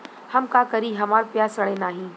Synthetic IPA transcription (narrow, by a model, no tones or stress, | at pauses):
hɐmkaːkɐɾiɦɐmaːɾpjaːsɐɽenaːɦĩː